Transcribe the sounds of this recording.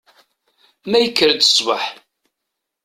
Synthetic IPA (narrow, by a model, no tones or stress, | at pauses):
mæjəkːəɾd̪ə̥sˤvə̰ħ